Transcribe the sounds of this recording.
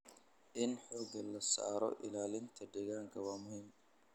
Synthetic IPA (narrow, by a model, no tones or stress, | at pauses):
ʔɪnħɔːɡɐlɐsa̰ːɾɔ̰ʔɪ̰laːlɪnt̪ʰɐdɛɣaːŋkʰɐwaːmʊhiːm